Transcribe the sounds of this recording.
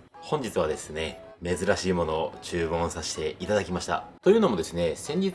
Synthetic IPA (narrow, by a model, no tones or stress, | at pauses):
hõ̞ɲ̟d͡ʑit͡sɨβ̞ad̪e̞sɨne̞ | me̞zɨɾaɕiːmo̞no̞ːt͡ɕɨːmõ̞ɰ̃saɕi̥t̪e̞it̪ad̪akʲimaɕi̥t̪a̰t̪o̞jɯ̟ːno̞mo̞d̪e̞sɨne̞sẽ̞ɲ̟d͡ʑit͡s